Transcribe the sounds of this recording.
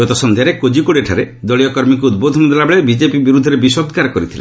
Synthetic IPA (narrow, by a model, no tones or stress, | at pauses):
ɡɔt̪ɔsɔnd̪ʱjaɾekod͡ʒikoɽieʈʰaɾed̪ɔɭijɔkɔɾmik̬uud̪̚bod̪ʱɔnɔd̪elabɔɭebid͡ʒepibiɾud̪ʱːɔɾebisɔb̚t̪kaɾɔkɔɾit̪ʰilḛ